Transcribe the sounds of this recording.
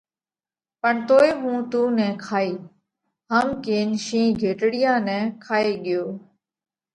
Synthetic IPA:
pəɳt̪oːeːɦũːt̪uːnɛ̃ːkʰaːiː | ɦəmkeːnʃĩːɡʱeːʈɽɪjãːnɛ̃ːkʰaːeːɠɪjoː

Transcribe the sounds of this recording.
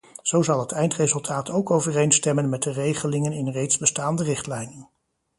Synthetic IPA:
z̥owzɑlˠɦətɛjntrejzɵlˠtʰaːtowkowvərejnstɛmənmɛt̚dərejχəlɪŋənɪnrejtzbəstaːndərɪχtlɛjnən

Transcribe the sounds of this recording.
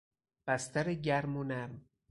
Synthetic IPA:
b̥æst̪æɾeɟæɾmonæɾm

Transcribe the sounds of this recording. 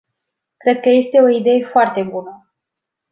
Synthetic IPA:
kɾe̞d̪̚kəje̞st̪e̞o̞id̪e̞je̞foart̪e̞bunə

